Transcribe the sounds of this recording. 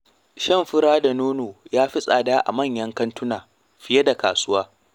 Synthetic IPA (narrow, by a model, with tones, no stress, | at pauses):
ʃɐ˦˨mɸɪ˦ɽaː˦da˨noː˦noː˨jaː˦ɸɪ˦sʼa̰ː˨daː˦ʔa̰˨mɐ˦˨ɲjɐ˦ŋkɐ˦ntʊ˦naː˨ | ɸɪ˦jɐ˦da˨ka̰ː˨sʊ˦waː˦